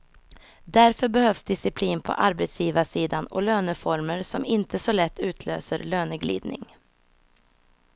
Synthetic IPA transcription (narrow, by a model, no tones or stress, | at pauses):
d̪æɾfœɾbɛhœfsd̪ɪsɪpʰliːnpʰɔ̰ʔaɾbɛt̪sjiːvasiːd̪anɔ̰løːnəfɔɾməɾsɔmɪnt̪əsɔlɛt̪ʰːʉ̟ːt̪ʰlø̰ːsəɾløːnəɡlḭːd̪nɪ̰ŋ